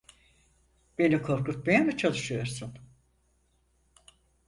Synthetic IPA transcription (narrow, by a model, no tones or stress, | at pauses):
b̥e̞nikʰo̞ɾkut̪̚majamɯt͡ʃʰalˠɯʃɯjo̞ɾsun